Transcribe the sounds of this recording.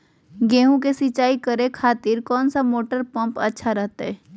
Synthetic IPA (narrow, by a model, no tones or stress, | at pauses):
ɡeːɦũk̬esɪt͡ʃaːikəɾekʰaːt̪ɪɾkɔːnsamoːʈəɾpə̃mpɐtːʃʰaɾɐɦt̪aɦɛː